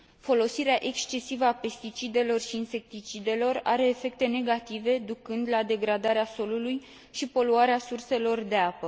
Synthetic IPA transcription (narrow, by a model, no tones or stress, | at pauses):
fo̞lo̞siɾeaʔe̞kst͡ʃe̞sivəape̞st̪it͡ʃid̪e̞lo̞rʃiːnse̞k̚t̪it͡ʃid̪e̞lo̞ra̰ɾe̞ːfe̞k̚t̪e̞ne̞ɡat̪ive̞d̪ukɨnd̪lad̪e̞ɡɾad̪aɾeaso̞luluj | ʃipo̞luaɾeasurse̞lo̞rd̪e̞apə